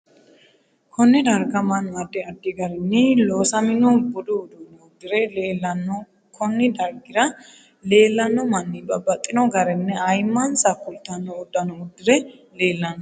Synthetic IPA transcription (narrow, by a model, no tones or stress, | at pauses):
kʰɔnːɪd̪ɐɾɡɐmɐnɐd̪ːɛɐd̪ːɪɡɐɾɛnːɪloːsɐmɪnɔbʊd̪ʊːd̪unɔʊd̪ːɪɾɛleːlːɐnːɔ | kʰɔnːɪd̪ɐɾɡɪɾɐ | le̞ːlːɐnːɔmɐnːɪbɐbːɐt̪ʼːɪnɔɡɐɾɛnːɛɐjmːɐnsɐkːʊlt̪ːɐnːɔːd̪ːɐnɔʊd̪ːɪɾɛle̞ːlːɐnɔ